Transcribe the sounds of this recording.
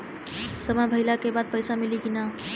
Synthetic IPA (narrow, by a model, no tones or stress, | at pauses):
səməjbʱəɪlakebad̪̚pəjsamilikina